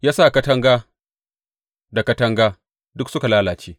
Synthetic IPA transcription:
jaː˦sa˦˨kɐ˦tɐ˦ŋɡaː˦ | da˨kɐ˦tɐ˦ŋɡaː˦ | dʊ˦ksʊ˦ka˨laː˦laː˨t͡ʃeː˦

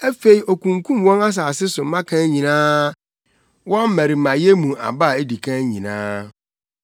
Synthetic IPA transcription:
æ˦fe˨i˨ʔo˨kʰũ˨ŋkʰũ˦mwɔ̃˦na˦s̬aː˨sɪ˦sʊ˨˦mã˦kʰã˦ɲĩ˨nãː˦ | wɔ̃˦m˦mæ̃˨ɾi˨mã˨je˦mũ˨a̰˨ba˦˨e˦di˨kʰã˦ɲĩ˨nã̰ː˦

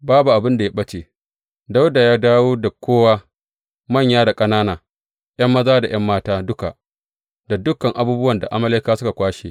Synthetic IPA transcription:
baː˦bu˨ʔa˨bɪ˦nda˨ja˦ɓɐ˦t͡ʃeː˨ | da˦wda˨jaː˦daː˦woː˦da˨kʷoː˦waː˦ | mɐ˦˨ɲjaː˦da˨kʼɐ˦naː˦naː˨ | j̰ɐ˦mːɐ˦zaː˦da˨j̰ɐ˦mːaː˦taː˦dʊ˦ka̰˨ʔ | da˨dʊ˦kːɐ˨ŋʔa˨buː˦bʊ˦wɐ˨nda˨ʔa˦mɐ˦le˦kaː˦sʊ˦ka˨kʷaː˦ʃeː˨

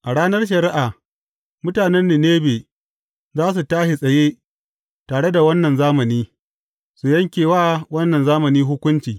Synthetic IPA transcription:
ʔa˨ɽaː˦nɐ˦rʃ̬ɐ˨ɾɪ˦ʔaː˨ | mʊ˦taː˨nɛ˦nːiː˨neː˦beː˨ | zaː˦s̬u˨taː˦ʃi˨sʼɐ˨jeː˦ | taː˨ɽe˦da˨wɐ˦nːɐ˨nzaː˦mɐ˨niː˦ | su˨jɐ˦ŋkʲeː˨waː˦wɐ˦nːɐ˨nzaː˦mɐ˨niː˦ɦʊ˦kʷʊ˦nt͡ʃiː˨

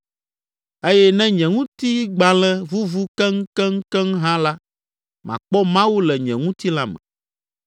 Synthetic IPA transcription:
e˦jɛ˦nɛ̃˦ɲɛ̃˨ŋũ˦t̪i˦ɡ͡bã˨lɛ̃˦vu˦vu˦kɛ˦ŋ̩˦kɛ˦ŋ̩˦kɛ˦ŋɦã˦la˦ | mã̰˨k͡pɔ˦mã˦wu˦lɛ˨ɲɛ̰̃˨ŋũ˦t̪i˦la˦mɛ̰̃˨

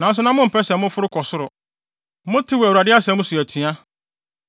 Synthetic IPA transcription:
nã˨˦n˦s̬ʊ˦nã˦mʊ̃˦m̩˨pʰɛ˦sɛ˨mʊ̃˦fʊ˦ɾʊ˦kʰɔ˨sʊ˦ɾʊ˨˦ | mʊ̃˦tʰɪ˦wɔ˨æ˨wu˨a˨dɪ˦a˦sɛ̃˨˦mʊ̃˦su˨æ˨tʰɥa˦

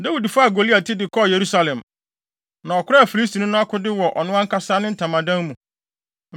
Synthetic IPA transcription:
da˦wi˨dfʊ˦a˨ɡo˨li˦a˨tʰɪ˦dɪ˨kʰɔ˦˨je˨ɾu˦sa˨lɛ̃˨m | nã˨ɔ˨kʰʷʊ˦ɾa˦a˨fi˨li˦s̬tʰi˨nʊ̃˦nʊ̃˦a˦kʰʊ˦dɪ˦wɔ˨ʔɔ̰˨nʊ̃˦ã˦ŋ̩˦kʰa˦saː˦nɪ̃˦n̩˦tʰã˨mã˨dã˦n˦mũ˨

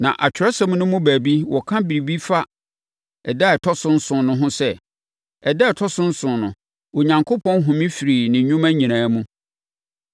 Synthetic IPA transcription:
nã̰˨ʔa˨t͡ɕʰᶣɪ˨ɾɛ˦sã˦mũ˦nʊ̃˦mʊ̃˦bæ˨bi˦wɔ˨kʰã˦bi˨ɾi˨bi˦fa˦ | ɛ˨da˦ɛ˨tʰɔ˦sʊ̃˦n̩˦sʊ̃˨nʊ̃˦ɦʊ̃˦sɛ˦ | ɛ˨dɛ˦ɛ˨tʰɔ˦sʊ̃˦n̩˦sʊ̃˨nʊ̰̃˨ | o˨ɲã˨ŋkʰo˦pʰɔ̃˦nɦʊ̃˨mĩ˦fi˨ɾi˨nɪ̃˨ɲũ˦mæ̃˦ɲĩ˨ñãː˨˦mũ˦

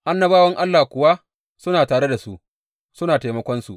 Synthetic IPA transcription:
ʔa˦nːɐ˦baː˦wɐ˦ŋʔa˦lːaː˨kʷʊ˨wa˦ | sʊ˦naː˨taː˨ɽe˦da˨su˦ʔ | sʊ˦naː˨teː˨mɐ˦kʷɔ˦nsu˨ʔ

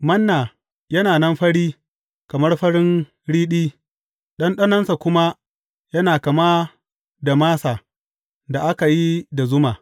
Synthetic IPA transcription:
mɐ˦nːaː˨ | jɐ˦naː˨nɐ˦mɸɐ˦ɽiː˦ | kɐ˨mɐ˦rɸɐ˦ɽɪ˦n | ɽiː˦ɗiː˦ | ɗɐ˦nɗɐ˦nɐ˦nsa˨kʷʊ˦ma˦ | jɐ˦naː˨kɐ˨ma˦ | da˨maː˦sa˨ | da˨ʔa˦ka˨ji˦da˨zʊ˦maː˨

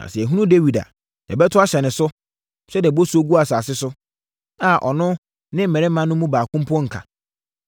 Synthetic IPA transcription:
nã̰˨sɛ˨æ˨ɦũ˦nũ˦de˦wi˨da̰˨ | dɛ̰˨bɛ˦tʰʊ˦a˦ɕɛ˨nɪ̃˨sʊ˦ | ɕɛ˦di˨ɛ˨bo˦su˦o˦ɡu˦a˨saː˨sɪ˦sʊ˦ | a˨ʔɔ̰˨nʊ̃˦ | nɪ̃˦m̩˦mɛ̃˨ɪ˦mã˦nʊ̃˦mũ˦baː˨kʰʊ̃˦m˦pʰɔ̃˦ŋ̩˨kʰa̰˨

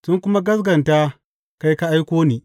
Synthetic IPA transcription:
sʊ˦ŋkʷʊ˦ma˦ɡɐ˦s̬ɡɐ˨nta˦ | ka˦jka˦ʔa˦jkʷoː˦niː˨

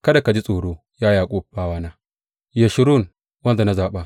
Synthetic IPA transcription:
kɐ˦da˨ka˨d͡ʒi˦sʼoː˨ɽoː˦ | jaː˦jaː˨kʷʼuː˦b̥aː˦waː˦naː˦ | je˨ʃɪ˦ɾu˦˨n | wɐ˦nda˨na˦zaː˨ɓa˦

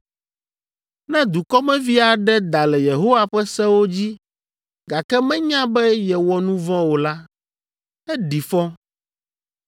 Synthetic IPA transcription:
nɛ̃˦d̪u˨kɔ˦mɛ̃˦vi˦a˨ɖɛ˦d̪a˨lɛ˨je˨ɦo˦wa˦ɸɛ˦sɛ̃˦wo˦d͡ʑi˦ | ɡa˨kɛ˦mɛ̃˦ɲã˦bɛ˦jɛ˨wɔ˨nũ˦vɔ̃˦wo˨la˦ | ɛ˦ɖi˨fɔ˦

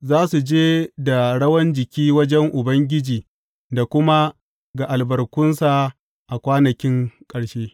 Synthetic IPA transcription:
zaː˦su˨d͡ʒeː˦da˨ɽɐ˦wɐ˦nd͡ʒɪ˨kʲiː˦wɐ˦d͡ʒɛ˦ŋʔʊ˨bɐ˦ŋɡʲɪ˦d͡ʒiː˨ | da˨kʷʊ˦ma˦ | ɡa˨ʔa˨lbɐ˨rkʷʊ˦nsa˦˨ | ʔa˨kʷaː˦nɐ˨kʲɪ˦ŋkʼɐ˨ɽʃeː˦

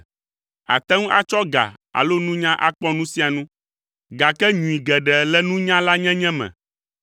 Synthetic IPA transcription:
a̰˨t̪ɛ˦ŋũ˦ʔa˨t͡ʃɔ˦ɡa̰˨ | a̰˨lo˦nũ˦ɲã˦ʔa˦k͡pɔ˦nũ˦si˦a˨nũ˦ | ɡa˨kɛ˦ɲũ˨i˨ɡɛ˨ɖɛ˨lɛ˦nũ˦ɲã˦la˦ɲɛ̃˦ɲɛ̃˦mɛ̰̃˨

